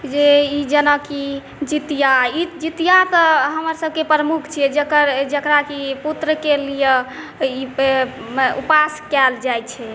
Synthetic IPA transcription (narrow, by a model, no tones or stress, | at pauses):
d͡ʒeid͡ʒənaki | d͡ʒit̪ijaid͡ʒit̪ijat̪ɔɦəməɾsəb̚ʱkepɾəmukʰt͡ʃʰiɛd͡ʒəkəɾd͡ʒəkɾakiput̪ɾəkelije | i | upaskɛld͡ʒajt͡ʃʰɛ